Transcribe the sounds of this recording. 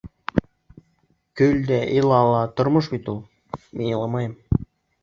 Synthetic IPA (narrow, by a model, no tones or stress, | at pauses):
kølʲd̪æʔilˠɑlˠɑt̪ŏrmɤʃbit̪ulˠ | mʔiilˠɑmɑjəm